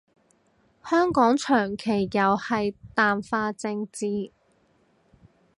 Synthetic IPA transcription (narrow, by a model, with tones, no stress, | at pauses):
hœː˥ŋkɔː˨˥ŋt͡ʃʰœː˨˩ŋkʰe˨˩jːɐ˨˧whɐ˨jt̪aː˨mfaː˧t͡sɪ˧ŋt͡siː˧